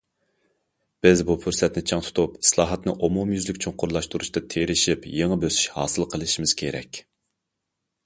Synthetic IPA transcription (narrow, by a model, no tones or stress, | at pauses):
b̥ɪzbupʰyɾsɛt̪nɪt͡ʃʰɑŋt̪ʰu̥t̪ʰupi̥slˠɑːɦɑt̪nɨʔomumjyzlɪkʲt͡ʃʰuŋqʰʊɾlˠɑʃt̪uɾuʃt̪ɨt̪ʰeɾɪʃipjeŋəbøsy̥ʃhɑ̰ːsɨlˠqʰəlˠɨʃimɪz̥kʲʰeɾɛ̰kʲ